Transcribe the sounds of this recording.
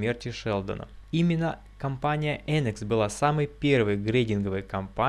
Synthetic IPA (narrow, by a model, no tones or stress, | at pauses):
mʲe̞rtʲɪʂɛlˠd̪ə̰nə̰imʲɪnːə | kɐmpanʲɪjəʔɛnɨksbɨlˠasamɨjpʲe̞rvɨjɡɾʲedʲɪnɡəvɨjkɐmpa